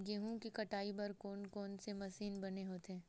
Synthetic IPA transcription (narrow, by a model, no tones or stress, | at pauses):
ɡeɦũkikɐʈaːibɐɾkɔːnkɔːnsemɐsiːnbɐneɦoːt̪ɦɛ̃ː